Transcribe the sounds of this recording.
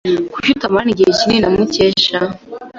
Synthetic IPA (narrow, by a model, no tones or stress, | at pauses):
kuʃutamaniɡecininamuceʃa